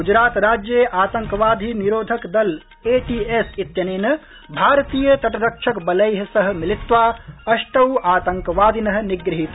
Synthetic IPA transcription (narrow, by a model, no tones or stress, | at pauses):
ɡud͡ʒɾaːt̪ɾad͡ʒjeʔaːt̪əŋkəʋad̪ʱiniɾod̪ʱəkd̪əl | eʈiesit̪jɐnenə | bʱaɾt̪ijət̪ɐʈɾəkʃʰəkbələjɦsəɦmilit̪ʋaəsʈəwaːt̪əŋkʋaːd̪ʱinɐɦniɡɾiɦit̪